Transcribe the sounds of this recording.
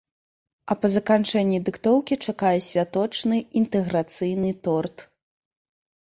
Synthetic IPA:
ɐpɐzɐkant͡ʂɛnʲːid̪ɨkt̪ɔwkʲit͡ʂakajɛsʲvʲat̪ɔt͡ʂnɨint̪ɛɣɾat̪sɨjnɨt̪ɔrt̪

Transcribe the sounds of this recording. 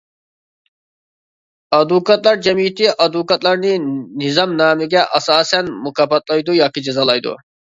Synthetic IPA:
ɑd̪ukɑt̪̚lˠɑɾd͡ʒamit̪ʰiʔɑd̪ukɑt̪lˠɑɾninizɑmnɑːmiɡʲæʔɑsɑːsænmukʰɑpːɑt̪̚lˠɑjd̪ujɑːkid͡ʒazɑlˠɑjd̪ṵ

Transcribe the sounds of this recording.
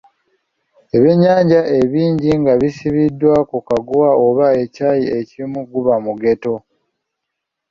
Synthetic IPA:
eβe̞ɲːaːɲɟae̞βiːɲɟiŋɡaβisiβidːwakukaɡuwaoβae̞caːjie̞cimuɡuβamuɡe̞to̞

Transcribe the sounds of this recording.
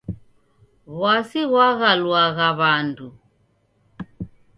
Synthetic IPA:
ɣwasiɣwaɣalwaɣaβandu

